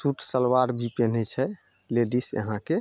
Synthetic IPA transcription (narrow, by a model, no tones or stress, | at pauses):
suʈʰsəlwaɾbipenɛt͡ʃʰɛ | leɖisjə̰ɦãke